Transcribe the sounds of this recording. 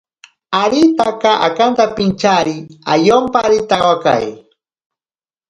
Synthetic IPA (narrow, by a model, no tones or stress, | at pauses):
aɾit̪akaʔa̰kant̪apɪnt͡ʃaɾia̰jompaɾit̪awaka̰j